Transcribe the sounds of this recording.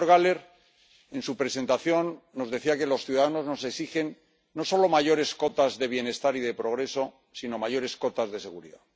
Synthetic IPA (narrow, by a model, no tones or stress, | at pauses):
oɾɣale̞ɾ | e̞nsupɾe̞se̞nt̪aθjo̞nːo̞zðe̞θiake̞lo̞sθjuðaðano̞zno̞seksixe̞nː | o̞so̞lo̞maʝo̞ɾe̞sko̞t̪azðe̞βje̞ne̞st̪aɾiðe̞pɾo̞ɣɾe̞so̞ | sino̞maʝo̞ɾe̞sko̞t̪azðe̞se̞ɣuɾḭða